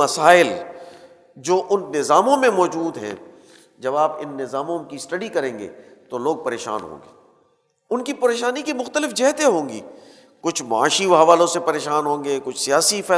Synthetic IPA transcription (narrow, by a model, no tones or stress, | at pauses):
ɐsaːɪl | d͡ʒoːʔʊnːɪzaːmõmẽmɔːd͡ʒuːd̪ɦɛ̰̃ | d͡ʒɐbaːpɪ̰nːɪzaːmõkisʈɐɖikɐɾẽːŋɡḛt̪oloːɡ̚pɐɾeːʃa̰ːnɦõ̰ːŋɡeː | ʊnkipɐɾeːʃaːnikimʊxt̪əlɪfd͡ʒɛɦt̪eɦõːŋɡḭː | kʊt͡ʃʰmaa̰ːʃiɦɐʋaːlõsepɐɾeːʃaːnɦõːŋɡekʊt͡ʃʰsijaːsifɛː